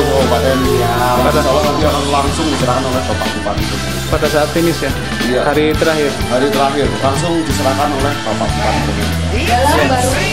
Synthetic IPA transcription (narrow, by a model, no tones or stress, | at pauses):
opadanapadasalanant̪ioɾaŋlaŋsʊŋdisəɾakanolɛhbapaʔ̚bupat̪it̪u | padasaːt̪̚ːinɪsja | jahaɾit̪əɾaɦɪrɦaɾit̪əɾaɦɪrlaŋsʊŋdisəɾakanolɛhb̥apaʔ̚supat̪it̪ukit̪ | ja